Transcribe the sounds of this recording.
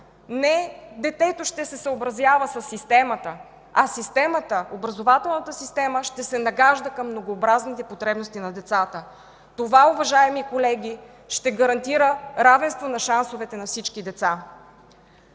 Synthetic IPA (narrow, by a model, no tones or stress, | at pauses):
nɛd̪ɛt̪ɛt̪oʃt̪ɛsɛsəobɾɐzjavəsɐsːist̪ɛmət̪ə | ɐsist̪ɛmət̪əʔobɾɐzovat̪ɛlˠnət̪əsist̪ɛməʃt̪ɛsɛnɐɡaʒd̪əkəmːnoɡoːbɾaznit̪ɛpot̪ɾɛbnost̪inɐd̪ɛt̪sat̪ə | t̪ovaovɐʒaɛmikolɛɡʲi | ʃt̪ɛɡəɐɾɐnt̪iɾəɾavɛnst̪vonɐʃansovɛt̪ɛnɐfsit͡ʃkid̪ɛt̪sa